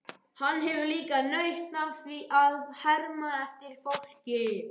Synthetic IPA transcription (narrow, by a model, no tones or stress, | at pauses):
hanːɦɛvʏliːkanœɥht̪navθviʔaðhɛɾmaɛft̪ɪɾ̥fowl̥cɪ